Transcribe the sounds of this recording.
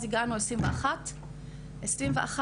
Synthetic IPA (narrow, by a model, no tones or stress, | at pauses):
ziɡanuesʁimveaχat̪ | ʔesɾimveʔa̰χa